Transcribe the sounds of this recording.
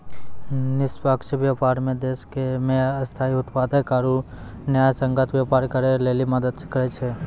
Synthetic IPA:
nɪspəkʃʋjapaːɾmẽd̪eːskemẽɐst̪ʰaːiʊt̪paːd̪ekaːɾu | njaːjsə̃ŋɡət̪ʋjapaːɾkəɾeleːliməd̪əd̪kəɾet͡ʃʰe

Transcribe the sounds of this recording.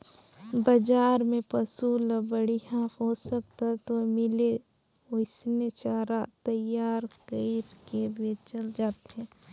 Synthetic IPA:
bəd͡ʒaːɾmẽpəsuləbəɽiɦãɦosək̚t̪aɦɛt̪omɪle | oɪsnet͡ʃaːɾat̪əjaːɾkəiɾkebet͡ʃəld͡ʒaːt̪ɦɛ̃

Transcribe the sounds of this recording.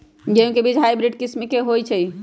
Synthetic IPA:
d͡ʒeɦũkebid͡ʒʱɦajbɾiɖkismikeɦojt͡ʃʰəj

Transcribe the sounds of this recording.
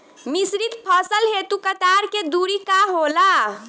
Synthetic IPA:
misɾit̪pʰəsəlɦet̪ukət̪aːɾked̪uɾikaɦoːla

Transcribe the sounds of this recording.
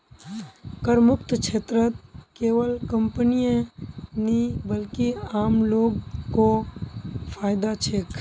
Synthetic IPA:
kəɾmʊkt̪kʃʰeːt̪ɾət̪̚keːʋəlkə̃mpənijẽnĩbəlkiaːmloːɡko | fʰaːɪd̪at͡ʃʰeːk

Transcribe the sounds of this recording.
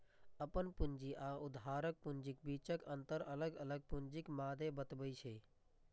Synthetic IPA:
əpənpʊnd͡ʒiʔaʊd̪aːɾək̚pʊnd͡ʒɪk̚biːt͡ʃəkənt̪əɾələɡələɡ̚pʊnd͡ʒɪkmaːd̪ebət̪bəit͡ʃʰə

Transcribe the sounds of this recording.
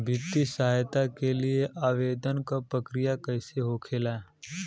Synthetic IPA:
bʱɪt̪ːisaajt̪akelieʔaːʋeːd̪ənkapɾɐkɾijakɐɪseɦoːkʰelae

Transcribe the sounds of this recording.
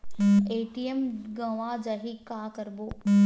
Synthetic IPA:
eːʈiemɡɐ̃ʋad͡ʑaɦikaːkɐɾboː

